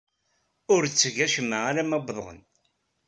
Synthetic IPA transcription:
ʊɾt͡sːəʝæʃəmːəaɾæmæbðˤʁə̰n

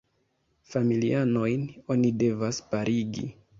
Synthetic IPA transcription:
familḭano̞jno̞nide̞vaspaɾʔiɡḭ

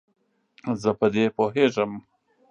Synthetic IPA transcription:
zəpəd̪epoɦeʐəm

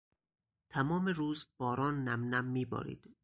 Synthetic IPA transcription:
t̪ʰæmɒːmeɾuːzb̥ɒːɾɒːnːæmnæmːiːbɒ̰ːɾḭːd̪̥

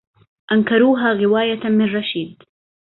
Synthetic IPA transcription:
ʔɐŋkʰɐɾuːɦaɣɪwaːjɐt̪ʰɐmɪrˤɐʃiːd̪

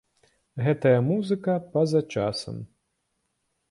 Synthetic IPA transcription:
ɣɛt̪ɐjɐmuzɨkɐpɐzɐt͡ʂasɐ̰m

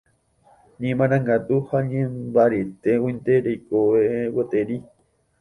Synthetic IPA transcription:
ɲẽmãñãŋɡat̪uhaɲẽmbaɾit̪euint̪eɾejkoewət̪eɾi

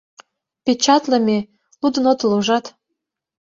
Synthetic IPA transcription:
pet͡ɕɑt̪ləmʲe | lud̪ənot̪loʒɑt̪

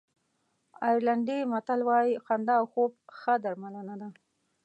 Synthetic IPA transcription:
ɑjɾlaɳɖimat̪alwɑjiqand̪aːwxob̚xəd̪aɾmanand̪a

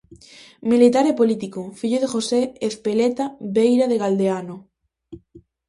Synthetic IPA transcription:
milit̪aɾepolit̪ikofiʎoðexoseespelet̪aβejɾaðeɣald̪eano

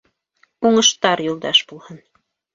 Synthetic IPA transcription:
uɴɤ̆ʃt̪ɑɾjulˠd̪ɑʃbulˠhɤn

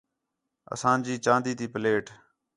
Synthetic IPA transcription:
ə̰sãːnd͡ʒiːt͡ʃãːnd̪iːt̪iːpəleːʈ

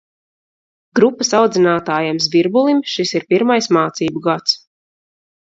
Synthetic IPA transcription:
ɡɾupːasawd̪zinaːt̪aːjamsviɾbulˠimʃisiɾpiɾmajsmaːt̪siːbuɡat̪s

